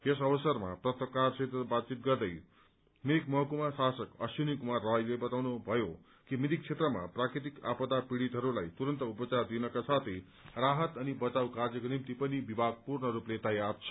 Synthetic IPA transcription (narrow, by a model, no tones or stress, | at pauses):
jes̬ʌbʌsʌrma̰prʌt̪əkarset̪ʌbad̪̚t͡sit̪ɡʌrd̪ʌj | miikmʌɦʌkumasasʌkʌ̰sjunikumarʌɦjlebʌt̪awnubʱʌjo | kimid̪ik̚t͡sʰet̪rʌma̰prakɾit̪̬ika̰pʌd̪apiɽit̪ɦʌɾulajt̪uɾʌnt̪ʌupʌt͡sard̪inʌkasat̪ʰij | raɦʌt̪ʌnibʌt͡sawkard͡zjʌkonimt̪ipʌnibibʱaɡ̚purnʌɾuplet̪ʌjart͡sʰʌ̥